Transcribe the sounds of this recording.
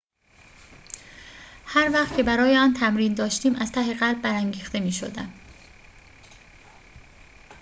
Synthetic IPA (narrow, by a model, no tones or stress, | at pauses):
hæɾvæːχt̪cʰe̞bæɾɒːjeɒːnt̪ʰæmɾiːnd̪ɒːʃt̪iːmæz̥t̪ʰæɦeɣælbːæɾæŋɟiːxt̪e̞miːʃo̰d̪æ̰m